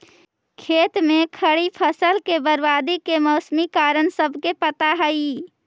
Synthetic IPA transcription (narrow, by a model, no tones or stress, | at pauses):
kʰeːt̪mẽkʰəɽipʰəsəlkebəɾbaːd̪ikemɔʊsmikaːɾənsəbʱkepət̪aɦəi